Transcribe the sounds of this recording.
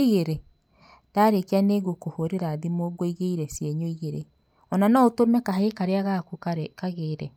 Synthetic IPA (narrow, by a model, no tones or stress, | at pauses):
iɣeɾe | d̥aɾekeaneɣokohoɾeɾaðimoɡoiɣeiɾɛsjɛɲoiɣeɾe | ɔnanɔotomɛkaɦekaɾeaɣakukakaɣeɾɛ